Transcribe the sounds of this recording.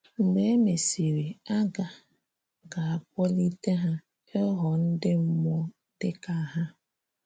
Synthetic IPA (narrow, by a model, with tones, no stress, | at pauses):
ŋ͡m̩˨ɡ͡be˨e˦me˨si˨ɾi˨a˦ɡa˨ | ɡa˨a˨k̚ʷɔ˦li˦te˦ɦa˦ | e˦ɦɔ˨n̩˦dɪ˦m̩˦mɔ˦ | d̥ɪ˦ka˨ɦa˦